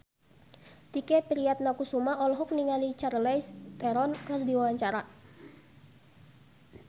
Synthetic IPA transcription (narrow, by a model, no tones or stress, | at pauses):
t̪ikɛpɾiat̪̚nakusumaɔlɔɦɔk̚niŋalit͡ʃarlɛjst̪ɛɾɔnkɨrdiwawaɲt͡ʃaɾa